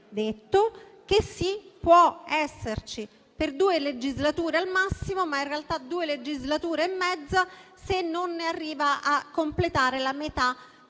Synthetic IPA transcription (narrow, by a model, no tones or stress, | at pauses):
d̪et̪ːok̟esːipwɔɛsːert͡ʃi | perd̪uːeled͡ʒizlat̪uːɾealmasːimomainrealt̪ad̪uːeled͡ʒizlat̪uːɾeːmːɛd̪zːasenːonːearːiːvaʔakːomplet̪aːɾelamet̪a